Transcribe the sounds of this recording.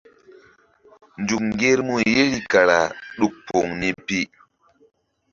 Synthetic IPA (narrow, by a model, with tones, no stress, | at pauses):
nd͡ʒu˨kŋɡe˦ɾmu˦˨je˦ɾi˦ka˨ɾa˨ɗu˦k̚po˨ŋni˦pi˦